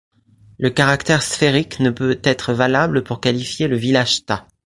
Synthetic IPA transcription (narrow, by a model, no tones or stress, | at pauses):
ləkaʁakt̪ɛʁsfeʁiknəpøt̪ɛt̪χəvalabləpuʁkalifjeləvilaʒt̪a